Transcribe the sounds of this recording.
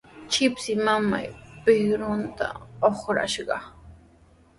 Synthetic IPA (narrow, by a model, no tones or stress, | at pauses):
t͡ʃɪpsɪmama̰jpɪhɾʊnt̪a̰oχɾa̰ʃɢɑ